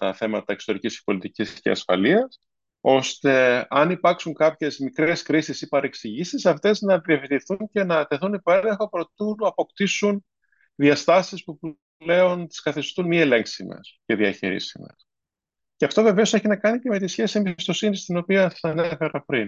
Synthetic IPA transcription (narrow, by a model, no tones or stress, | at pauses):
t̪ɐ̰θe̞mɐt̪ɐekst̪o̞ɾicisce̥po̞lit̪iciscḛɐ̰sfɐ̰liɐs | o̞st̪e̞ɐnipɐɾksuŋkɐpçe̞zmikɾe̞skɾisisipɐɾe̞ksiʝisisɐft̪e̞znɐðievit̪iθuɲce̞nɐt̪e̞θunipo̞eleŋxo̞pɾot̪unɐpo̞kt̪isun | ðiɐst̪ɐsispup | le̞ont̪i̥skɐθist̪unmie̞le̞ŋksimḛsce̞ðiɐçḭɾḭsimḛs | ceɐft̪o̞ve̞ve̞o̞seçinɐkɐnice̞me̞t̪isçe̞siembist̪o̞sinist̪ino̞piɐɐnefe̞ɾɐpɾin